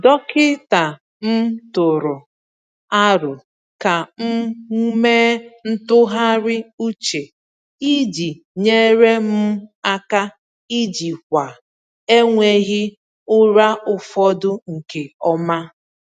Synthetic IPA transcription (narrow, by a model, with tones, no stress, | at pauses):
dɔ˦kɪ˦ta˨ | m̩˦tʊ˨ɾʊ˨ | a˦ɾʊ˨ | ka˨m̩˦meː˦n̩˦tʊ˦ɦa˦ɾɪ˦u˦t͡ʃe˨ | i˦d͡ʒi˨ | ɲe˦ɾe˦m̩˦a˦ka˦ | i˦d͡ʒi˨kʷa˨ | e˦ŋʷe˦ɣɪ˦ | ʊ˦ɾa˦ʊ˨fɔ˦dʊ˦ŋ̩˨ke˨ɔ˦ma˦